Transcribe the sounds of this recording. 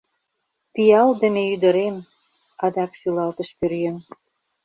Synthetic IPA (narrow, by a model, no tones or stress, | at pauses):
pijɑld̪ə̆mejyd̪ə̆ɾem | ɑd̪ɑkʃylɑlt̪ə̆ʃpøɾjøn